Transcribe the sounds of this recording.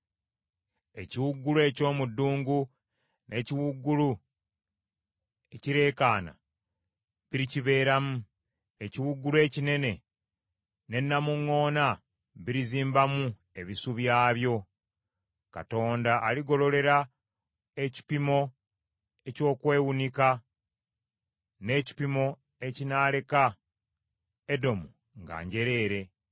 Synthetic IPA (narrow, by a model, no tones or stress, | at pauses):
e̞ciwuɡːulue̞co̞ːmudːuːŋɡu | nʔe̞ːciwuɡːulu | eciɾe̞ːkaːna̰ | βiɾiciβe̞ːɾamu | e̞ciwuɡulue̞ːcine̞ne̞ | ne̞nːamuŋːo̞ːna | βiɾiziːmbamu | e̞βisuβjaːβjo̞ | ka̰to̞ːndaʔːliɡo̞lo̞le̞ɾa | eci̥pimo̞ | e̞co̞ːkwe̞ːwunika | ne̞ːci̥pimo̞ | e̞cinaːle̞ka | edo̞mu | ŋɡa̰ːɲɟe̞ɾe̞ːɾe̞